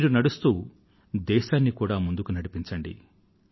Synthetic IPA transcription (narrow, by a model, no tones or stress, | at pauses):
iːɾunɐɽust̪uː | d̪ɛːʃaːnːikuːɽaːmund̪ukunɐɽipiɲt͡ʃɐɳɖḭ